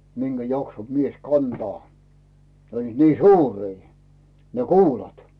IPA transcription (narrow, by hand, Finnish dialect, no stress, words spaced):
minɡ̊æ jɑkso mies kɑntɑː ne olʲliːt niː suːriː ne kuːlɑt